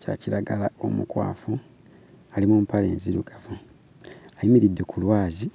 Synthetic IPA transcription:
ca̰ciɾaɡalao̞̰mukwa̰ːfu | alimumpale̞̰ːnziɾuɡafu | ajimiɾidːe̞kʰulwaːzi

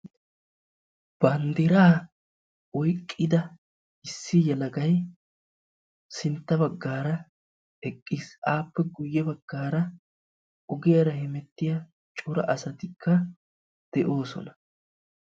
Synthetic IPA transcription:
b̥ɐnd̪ɪɾaː | ɔjkʼːɪd̪ɐ | ɪsːɪjɛlɐɡɐj | sɪnt̪ːɐbɐɡːaːɾɐ | ɛkʼːiːsʔaːpːɛɡʊjːɛbɐɡːaːɾɐ | ɔɡɪjɐɾɐhɛmɛt̪ːɪjɐ | t͡ʃʼʊɾɐ̰ʔɐsɐt̪ɪkʰːɐ | d̪̥ɛʔo̞ːsɔ̰nɐ

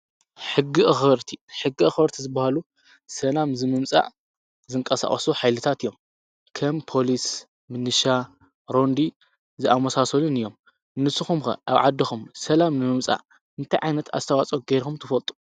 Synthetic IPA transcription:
ħɨɡːiʔxɨɾt̪ʰiħɨɡixɨɾt̪ʰizɨbahalu | sɐlamzɨmɨmt͡sʼa̰ʔ | zɨŋkʼɐsa̰χʼɐ̰suħajlɨt̪ʰat̪ɨjːo̞m | kʰɐmpʰo̞lis | mɨnɨʃa | ɾo̞nd̪i | zɨʔamɐsasɐlunɨjːo̞m | nɨsɨxumxɐ̰ʔa̰βʕa̰d̪ːixumsɐlamnɨmɨmt͡sʼa̰ | ɨnt̪ʰajʕajnɐt̪ʰa̰st̪ʰɐwat͡sʼoɡeɾxumt̪ʰɨfɐlt̪ʼu̥

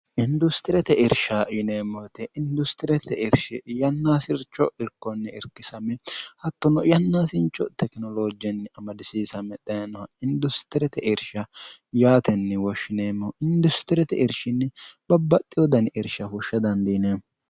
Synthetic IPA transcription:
ʔɪnd̪ʊst̪ɪɾɛt̪ɛʔɪɾʃɐjʊneːmːɔt̪ɛʔɪnd̪ʊst̪ɪɾɛt̪ʰɛʔɪɾʃɪjɐnːaːsɪɾt͡ʃːɔʔɪɾkːɔnːɛɪɾkːɪsɐmɛhɐt̪ːɔnɔjɐnːaːsɪnt͡ʃːɔt̪ɛknɔloːd͡ʒɛnːɛɐmɐd̪ɪsiːsɐmːɛd̪ɐjɐnɔhɐɪnd̪ʊst̪ɪɾɛt̪ɛʔɪɾʃɐjaːt̪ɛnːɛwɔʃːɪneːmːɔʔɪnd̪ʊst̪ɪɾɛt̪ɛʔɪɾʃɪnːɛb̥ɐbːɐt̪ʼːɪjɔd̪ɐnɪɾʃɐhʊʃːɐd̪ɐnd̪iːne

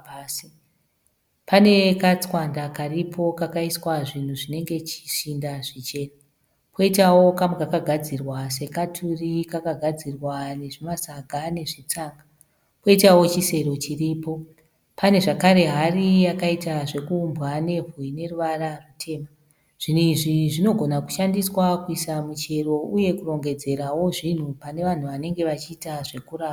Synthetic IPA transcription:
pːsi | pane̞kat͡swandakaripʰo̞kakaiswaʐin̤uʐine̞ŋɡe̞t͡ʃi̥ʃindaʐit͡ʃe̞ːna | pʰoitawo̞kamukakaɡʱad͡zirwase̞katʰurikakaɡʱad͡zirwane̞ʐimasaɡʱane̞ʐit͡saːŋɡa | poitawo̞t͡ʃise̞ɾo̞t͡ʃiriːpo̞ | pane̞ʐakaɾe̞ɦarijakaitaʐe̞kuːmbɣane̞vuine̞ruʋararutʰe̞ːma | ʐ̥in̤uiʐiʐino̞ɡʱo̞naku̥ʃandiswakuisamut͡ʃe̞ro̞uje̞kuro̞ŋɡe̞d͡ze̞ɾawo̞ʐin̤upane̞ʋan̤uʋane̞ŋɡe̞ʋat͡ʃiːtaʐe̞kuraːa

